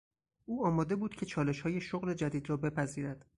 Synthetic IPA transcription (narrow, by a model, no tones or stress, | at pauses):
ʔuːɒːmɒːd̪e̞buːd̪̥cʰe̞t͡ʃʰɒːle̞ʃhɒːje̞ʃoɣle̞d͡ʒæd̪iːd̪ɾɒːbe̞pʰæziːɾæd̪̥